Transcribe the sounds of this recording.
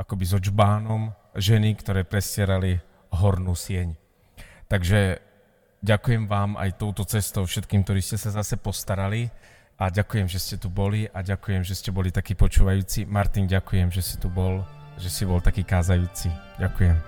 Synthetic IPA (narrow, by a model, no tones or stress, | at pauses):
akɔbizɔd͡ʒbaːnɔm | ʒɛnikt̪ɔɾɛːpɾɛsɪɛɾali | ɦɔɾnuːsɪɛɲ | t̪aɡʒɛ | ɟakujɛmʋaːma̰jt̪ɔʊt̪ɔt͡sɛst̪ɔʊfʃɛt̪kiːmkt̪ɔɾiːscɛsazasɛpɔst̪aɾali | aɟakujɛmʒɛscɛt̪ubɔliʔaɟakujɛmʒɛscɛbɔlit̪akiːpɔt͡ʃuːʋajuːt͡simaɾt̪inɟakujɛmʒɛscɛt̪ubɔl | ʒɛsibɔlt̪akiːkaːzajuːt͡siɟakujɛm